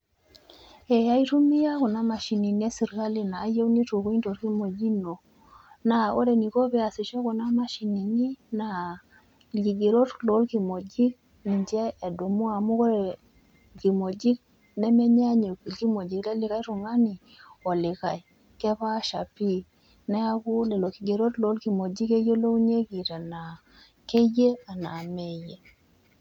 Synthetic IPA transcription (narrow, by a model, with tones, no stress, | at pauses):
ɛ˨ja˦i˦ɾu˦mi˦ja˦ku˨na˦ma˨ʃi˨ni˨n˦ɛ˦si˨ɾka˦li˨naː˨˦je˦u˦ni˦tu˨ko˦i˦nto˨ɾki˦mo˨d͡ʒi˦no˨ | na˨o˦ɾe˨ni˨ko˦βɛ˦a˨si˨ʃɔ˦ko˨na˦ma˨ʃi˨ni˨ni˦na˨ | ki˨ɡe˨ɾo˦tlo˨˦lki˨mo˨d͡ʒi˦k̚ | ni˨ɲd͡ʒɛː˦˨do˨mu˦a˨mu˦ko˦ɾɛ˨ | ki˨mo˨d͡ʒi˦k̚ | nɛ˦mɛ˦ɲ˦a˦ɲe˨ki˨ki˦mo˨d͡ʒi˨klɛ˦lɪ˦ka˦jɾʊ˨ŋa˦ni˨ | ɔ˨lɪ˨ka˨j | kɛ˦ba˦ʃa˨pi˦˨ | nɛ˦a˦kʊ˦lɛ˨lo˨ki˨ɡe˨ɾo˦tlo˨˦lki˨mo˨d͡ʒi˦ke˦jo˦lo˦u˦ɲe˦ki˨ɾa˨na˨ | ke˦je˦a˨na˨me˨je˨